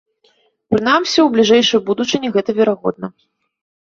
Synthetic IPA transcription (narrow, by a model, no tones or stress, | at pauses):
pɾɨnamsʲɐwblʲiʐɛjʂɨjbud̪ut͡ʂɨnʲiɣɛt̪ɐvʲɛɾaɣɔ̰d̪̚nɐ